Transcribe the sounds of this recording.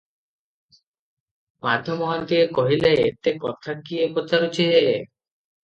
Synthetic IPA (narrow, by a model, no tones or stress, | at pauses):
mad̪ʱːomɔɦant̪iekoɦilaet̪ekɔt̪ʰakiepotaɾut͡ɕeee